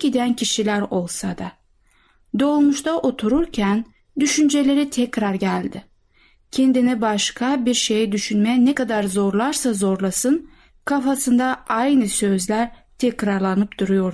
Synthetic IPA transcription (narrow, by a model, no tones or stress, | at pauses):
id̪æncʰiʃilʲæɾo̞lˠsad̪a | d̪o̞lˠmuʃt̪ʰaʔo̞t̪ʰuɾuɾcʰæn | d̪yʃynd͡ʒe̞lʲe̞ɾit̪ʰɛcɾaɾɟælʲd̪ɪ | cʰend̪inibaʃkʰabiɾʃe̞jɛd̪yʃynmɛnɛkad̪aɾzo̞ɾlˠaɾsazo̞ɾlˠasɯn | kʰafasɯnd̪aʔajnɯsø̞zlʲæɾt̪ʰɛcɾaɾlˠanɯpd̪̥uɾujo̞ɾ